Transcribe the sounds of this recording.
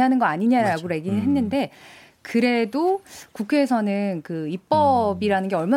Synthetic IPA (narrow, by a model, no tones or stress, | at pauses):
ɦanɯnɡʌaɲiɲaɾaɡoɾe̞ɡinɯɭɦe̞nːɯnde̞ | kɯɾe̞dokukʰe̞ːsʰʌnɯnkɯip͈ʌbiɾanɯnɡe̞ʌɭma